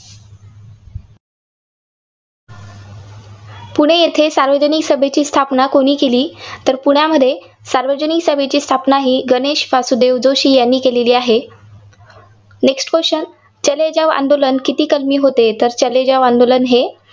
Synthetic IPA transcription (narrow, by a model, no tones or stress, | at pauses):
puɽ̤̃ejet̪ʰesaɾʋəd͡ʑəniksəbʱet͡ɕiːst̪ʰapnakoɽ̃iːkeliːt̪əɾpuɳjaməd̪ʱːje | saɾʋəd͡ʑəniksəbʱet͡ɕiːst̪ʰapnaɦiːɡəneɕʋasud̪eʋd͡zoɕiːjanːiːkeleliːaɦe | neksʈkʋəɕən | t͡ɕəled͡ʑaʋa̰nd̪olənkit̪iːkəlmiːɦot̪et̪əɾt͡ɕəled͡ʑaʋãnd̪olənɦe